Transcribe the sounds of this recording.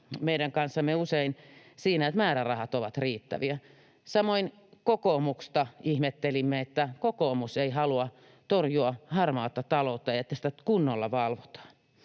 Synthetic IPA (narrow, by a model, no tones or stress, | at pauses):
meidæŋkɑnsːɑmːeuseinsiːnæet̪mæːɾærɑhɑt̪oʋɑt̪riːt̪ːæ̰ʋiæ | sɑmoin | kokomukst̪ɑihmet̪ːelimːeet̪ːækokoːmuseihɑluɑ | t̪orjuɑhɑrmɑːt̪ːɑt̪ɑlot̪ːɑjɑet̪ːæsĭ̥t̪ækunːolːɑʋɑlʋot̪ɑ̥ː